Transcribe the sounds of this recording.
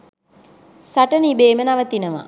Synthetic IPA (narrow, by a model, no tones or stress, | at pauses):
saʈənibeːmənaʋət̪inəʋa̰